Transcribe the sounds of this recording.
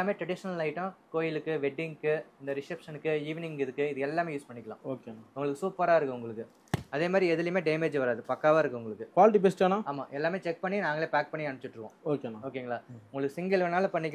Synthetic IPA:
aːmeːʈɾɐɽɪʂɐnɐlaːjɪʈːʊ̃koːjɪlɯkːɯʋɛɖːɪŋkːɯɪnd̪ɐɾɪsɛpʂɐnɯkːɯiːʋɪnɪŋɡɪðɯkːɯɪðɯɛlːaːmeːjuːspɐɳːɪkːɐlã̰ːoːkeʊŋɡɐɭɯkːɯsuːpːɐɾaːɪɾɯkːɯ̃ʊŋɡɐɭɯkːɯ | ɐðeːmaːd̪ɾiɛðɯlɐjmeːɖeːmeːd͡ʒʋɐɾaːðɯpɐkːaːʋaːɪɾɯkːɯʊŋɡɐɭɯkːɯkʋaːlɪʈ̬ibɪsʈaːnãːaːma̰ːʔɛlːaːmeːt͡ʃɛk̚pɐɳːinaːŋɡɐɭeːpaːk̚pɐɳːiɐɳɐt͡ʃːɪʈːɾɯkːõ̰ːoːkeaoːkːeŋɡɐɭaːʊŋɡɐɭɯkːɯsɪŋɡɐlɐnaːlɐpɐɳːɪkː

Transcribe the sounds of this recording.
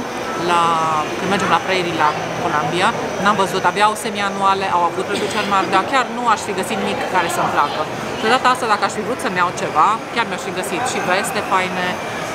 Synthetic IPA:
lakɨnd̪med͡ʒe̞mlapɾejɾila | kolambia | namvəzut̪abjawsemianuale̞ʔawavut̪ɾed̪ut͡ʃeɾmald̪akʲarnuaʃfiɡəsit̪imikːaɾe̞səmplakə | dod̪at̪əast̪ad̪akəaʃʲfivɾut̪səmjawt͡ʃe̞vakʲarmʲjaʃfiɡəsit̪ʃive̞st̪e̞pajne

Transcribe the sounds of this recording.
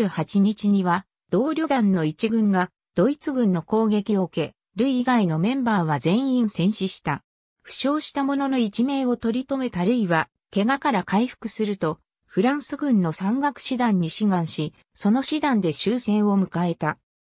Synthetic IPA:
hat͡ɕiɲ̟it͡ɕiɲ̟iβa | d̪̥o̞ːɾʲo̞d̪ãnːo̞it͡ɕiɡɯ̟̃ŋɡa | d̪̥o̞it͡sɨɡɯ̟̃nːo̞ko̞ːɡe̞kʲio̞ke̞ | ɾɯ̟iːɡaino̞mẽ̞mbaːβ̞azẽ̞ɰ̃ĩɰ̃sẽ̞ɰ̃ɕiɕi̥t̪a | ɸɯ̟̥ɕo̞ːɕi̥t̪amo̞no̞no̞it͡ɕime̞ːo̞t̪o̞ɾʲit̪o̞me̞t̪aɾɯ̟iβa | ke̞ɡakaɾakaiɸɯ̥kɯ̟sɨɾɯ̟t̪o̞ | ɸɯ̟ɾãɰ̃sɨɡɯ̟̃nːo̞sãŋɡakɯ̟̥ɕid̪ãɲ̟ːiɕiɡãɰ̃ɕi | so̞no̞ɕid̪ãnd̪e̞ɕɨːsẽ̞ɰ̃o̞mɯ̟kae̞t̪a

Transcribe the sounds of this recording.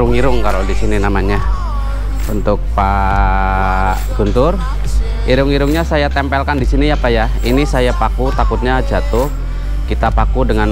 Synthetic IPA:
ʊŋiɾʊŋkalodisininamaɲa | unt̪ʊk̚pa | ɡ̥unt̪ʊr | iɾʊŋiɾʊŋɲasajat̪ɛmpɛlkandisiniapaja | inisajapakut̪akʊt̪̚ɲad͡ʒat̪ʊh | kit̪apakudəŋan

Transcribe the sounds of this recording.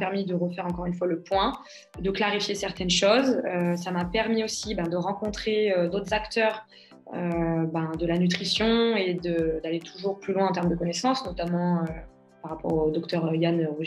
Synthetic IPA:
pɛʁmid̪əʁəfɛʁɑ̃kɔʁynfwaləpwɛ̃ | d̪əklaʁifjesɛʁt̪ɛnʃozøsamapɛʁmiosibɛ̃d̪əʁɑ̃kɔ̃t̪χeød̪ot̪χzakt̪œʁ | øbɛ̃d̪əlanyt̪χisjɔ̃ed̪əd̪alet̪ʰuʒuʁplylwɛ̃ɑ̃t̪ɛʁmd̪əkɔnɛsɑ̃snɔt̪amɑ̃ø | paʁapɔ̰ʁod̪ɔkt̪œʁjanʁuʒ

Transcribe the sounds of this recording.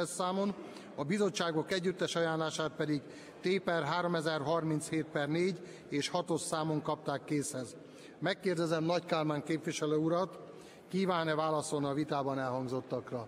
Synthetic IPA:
ɛsːaːmon | ɒbizo̞t͡ʃːaːɡo̞kɛɟːyt̪ːɛʃɒjaːnlaːʃaːt̪̚pɛd̪iɡ | t̪eːpɛrɦaːɾo̞mɛzɛrɦɒrmint̪sheːt̪̚pɛrneːɟ | eːʃhɒt̪o̞ssaːmo̞ŋkɒp̚t̪aːkːeːshɛz | mɛkːeːrd̪ɛzɛmnɒckaːlmaːŋkeːpʋiʃɛløːuɾɒt̪ | kiːvaːnɛvaːlɒso̞lniɒvit̪aːbɒnɛlɦɒŋɡzo̞t̪ːɒkrɒ

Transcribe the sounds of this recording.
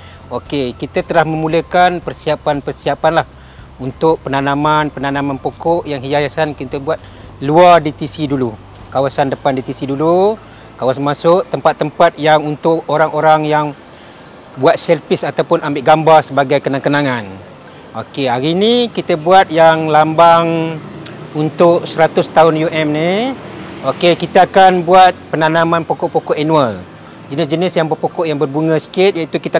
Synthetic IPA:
okekit̪ət̪əlahməmuləkanpərsiapanpərsiapanlah | unt̪ʊʔ̚pənanamanpənanamanpokɔʔjaŋɦijajasankit̪əbuat̪̚ | luardit̪isidulu | kawasandəpandit̪isidulu | kawasanmasʊʔt̪ːəmpat̪ːəmpat̪̚jaŋunt̪ʊʔoɾaŋoɾaŋjaŋ | buat̪̚sɛlpɪsat̪awpʊnambɪʔɡambarsəbaɡajkənaŋkənaŋan | o̰keɦaɾiːnikit̪əbuat̪̚jaŋlambaŋ | unt̪ʊʔsəɾat̪ʊst̪aʊnjuʔɛmni | okekit̪əːkanbuat̪̚pənanamãnpokɔʔpokɔʔɛnuəl | d͡ʒənɪsd͡ʒənɪsjaŋbərpokɔʔjaŋbərbuŋə̃sə̥kɪt̪̚jait̪ukit̪ə

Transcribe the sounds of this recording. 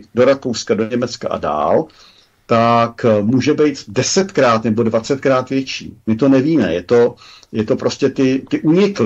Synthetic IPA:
do̞ɾakowskadoɲɛmɛt͡ska̰ʔa̰da̰ːl | t̪akmuːʒɛbɛjt̪dɛsɛt̪kɾaːt̪nɛbo̞dvat͡sɛt̪̚kɾaːt̪vjɛt͡ʃḭːmɪt̪o̞nɛviːmɛ̰jɛt̪o̞jɛt̪o̞pɾo̞scɛt̪ɪt̪ɪʔuɲɪkl

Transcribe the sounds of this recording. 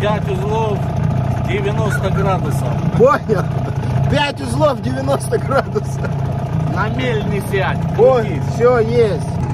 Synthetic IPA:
pʲætʲʊzlˠofdʲɪvʲɪnost̪əɡrad̪ʊsəfponʲɐpʲætʲʊzlˠovdʲɪvʲɪnost̪əɡɾad̪ʊsəfnɐmʲelʲnʲɪsʲætʲofsʲojesʲtʲ

